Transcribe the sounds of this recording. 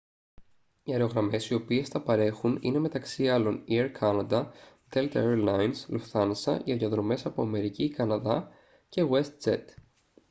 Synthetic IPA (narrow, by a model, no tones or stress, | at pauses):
iɐɾeo̞ɣɾɐme̞sio̞pie̞sθɐpɐɾe̞xunḭne̞me̞t̪ɐksiɐlo̞nieɾkʰɐnɐd̪ɐ | t̪elt̪ɐeɾlɐjnslufθɐnsɐ̰ʝiɐðoðɾo̞me̞sɐpoɐme̞ɾicikɐnɐðɐ | ce̞ɣwe̞st̪̚t͡sḛt̪